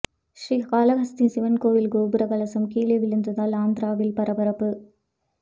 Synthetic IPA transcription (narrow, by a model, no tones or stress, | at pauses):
ʃriːkaːlɐɣɐst̪insɪʋɐnkoːʋɪlɡoːbɯɾɐɡɐlɐsɐmkiːɭɐʋɪlɯnd̪ɐðaːlaːnd̪ɾaːʋɪlpɐɾɐbɐɾɐpːɯ